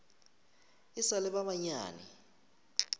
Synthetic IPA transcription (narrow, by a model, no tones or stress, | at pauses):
isalɛɓaɓaɲa̰ːnḭ